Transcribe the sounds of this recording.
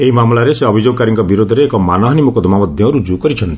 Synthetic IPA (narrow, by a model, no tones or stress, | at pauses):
eimamlaɾeseɔbʱid͡ʒoɡ̚kaɾiŋkɔbiɾod̪ʱɔɾeːkɔmanɔɦnimukɔd̪ʱɔmamɔd̪ʱjɔ̃ɾud͡ʒukɔɾit͡ʃʰɔnt̪i